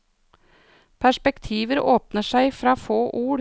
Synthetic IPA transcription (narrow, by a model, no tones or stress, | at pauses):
pʰæʂpɛkt̪ʰiːʋəɾoːpnəʂæɪfɾɑːfoːʔuːɾ